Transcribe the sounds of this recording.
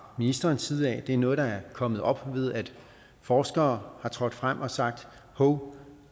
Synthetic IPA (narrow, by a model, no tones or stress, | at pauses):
minisd̥ɐːnsʰið̩ˠɛ̰ːd̥e̝æɐnɔ̽ːð̩ˠd̥ɑ̈æɐkʰɒ̽mð̩ˠɒ̽b̥ʋe̝ð̞ˠæd̥ | fɒːsɡ̥ɐːhɑ̈t͡sʰʁɒ̽d̥fʁam̰ʔɒ̽sɑ̈ɡ̥̚d̥ | hoʊ